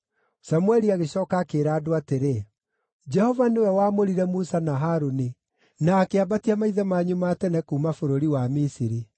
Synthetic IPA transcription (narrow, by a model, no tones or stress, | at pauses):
samwɛɾiaɣeɕɔːkakeːɾaːdoateɾe | d͡ʒɛhɔvanewɛwaːmoɾiɾɛmusanaɦaɾoni | naːkeabatiamaiðɛmaɲumaːtɛnɛkuːmafoɾoɾiwamisiɾi